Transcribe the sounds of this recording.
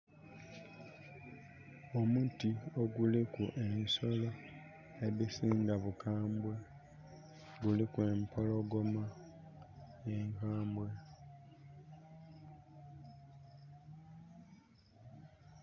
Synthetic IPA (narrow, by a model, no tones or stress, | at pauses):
omuːntioɡulikuʔensolo | eβisiːŋɡaβukaːmbwe | ɡulikweːmpʰoloɡo̞ma | eŋkaːmbwe